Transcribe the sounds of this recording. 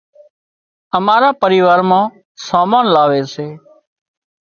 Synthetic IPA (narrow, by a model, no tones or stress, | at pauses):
əmaːɾaːpəɾiːʋaːɾmãː | saːmaːnlaːʋeːseː